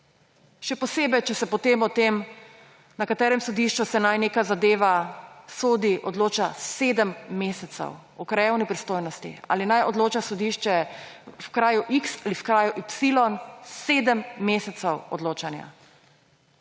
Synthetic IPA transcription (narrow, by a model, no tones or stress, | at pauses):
ʃɛpɔseːbɛjt͡ʃɛsɛpɔt̪eːmɔt̪em | nakat̪ɛːɾɛmsɔd̪iʃt͡ʃusɛnajneːkazad̪eːʋasoːd̪iʔɔd̪loːt͡ʃaseːd̪əmːeːsɛt̪sɛ̰w | ɔkɾajɛwnipɾist̪oːjnɔst̪ḭa̰ːlinajɔd̪loːt͡ʃasɔd̪iʃt͡ʃɛ | wkɾaːjuʔiksalifkɾaːjuʔipsilɔnseːd̪əmːeːsɛt̪sɛwɔ̰d̪loːt͡ʃanja̰